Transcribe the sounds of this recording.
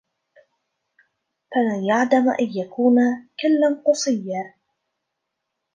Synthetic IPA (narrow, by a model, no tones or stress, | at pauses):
falanjaʕd̪amʔa̰njakuːnakɪlːanqʊsˤɨjːaː